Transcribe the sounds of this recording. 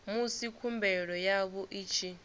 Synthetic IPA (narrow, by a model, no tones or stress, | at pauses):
musikʰumbɛɺɔjaβɔʔiːt͡ʃʰi